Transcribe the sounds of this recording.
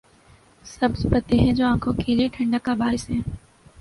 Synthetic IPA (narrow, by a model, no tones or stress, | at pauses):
səbspət̪eɦɛ̃ːd͡ʑoːãːkʰõkelieʈʰə̃ɳɖəkːabaːɪsɦɛ̃ː